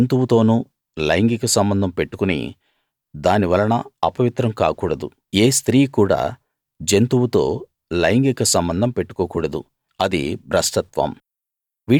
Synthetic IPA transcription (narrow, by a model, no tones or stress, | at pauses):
nt̪uwut̪o̞ːnuː | lɐjŋɡikɐsɐmbɐnd̪ʱɐmpe̞ʈːukunḭ | d̪aːniʋɐlɐnɐɐpɐʋit̪ɾɐmka̰ːkuːɽɐd̪ṵ | eːst̪ɾiːkuːɽa̰ː | d͡ʒent̪uwut̪o̞̰ː | lɐjŋɡikɐsɐmbɐnd̪ʱɐmpe̞ʈːu̥koːkuːɽɐd̪u | ɐd̪ḭbʱɾɐsʈɐt̪ʋɐ̰m | ʋiː